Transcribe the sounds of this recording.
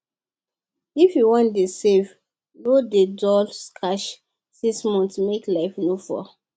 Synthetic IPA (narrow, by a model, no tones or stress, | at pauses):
ifjuwɔ̃ndesev | nodedɔlskʰaʃ | sĩsmɔ̃ntmeklaɪfnofɔ̰